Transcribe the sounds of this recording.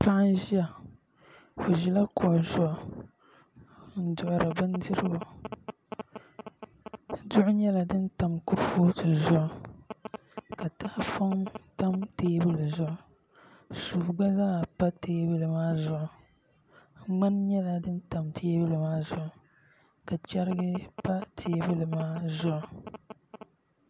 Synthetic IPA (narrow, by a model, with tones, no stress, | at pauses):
pa˦ʔn˦ʒi˦a˨ | o˨ʒi˨la˦kʰʊ˨ʔʊ˨zʊ˦ʔʊ˨ | n̩˨dʊ˨ʔʊ˨ɾɨ˨bɨ˦n˦dɨ˦ɾɨ˦ba˨ | dʊ˦ʔʊ˦ɲɛ˦la˨dɨ˦n˦ta˨mku˦ɾfoː˦tɨ˨zʊ˦ʔʊ˨ | ka˨ta˦ʔfa˦ŋta˦mteː˦bɨ˦lɨ˨zʊ˦˨ʔʊ˦˨ | suː˨ɡ͡ba˦zaː˦˨pa˦teː˦bɨ˦lɨ˨maː˦zʊ˦˨ʔʊ˨ | ŋ͡ma˦nɲɛ˦la˨dɨ˦n˦ta˨mtʰeː˦bɨ˦lɨ˨maː˦zʊ˨ʔʊ˦˨ | ka˨t͡ʃɛ˦ɾɨ˦ɡɨ˦pa˦tʰeː˨˦bɨ˦lɨ˨maː˦zʊ˦ʔʊ˨